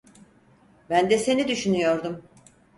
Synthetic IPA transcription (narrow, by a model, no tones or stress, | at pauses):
bænd̪ɛse̞nid̪yʃynyjo̞ɾd̪um